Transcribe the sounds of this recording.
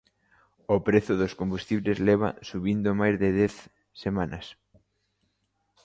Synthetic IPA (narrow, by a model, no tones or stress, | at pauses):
opɾeθʊðoskombust̪iβlezlɛβɐ̰suβind̪ʊmajzðɪðɛθ | semãnɐs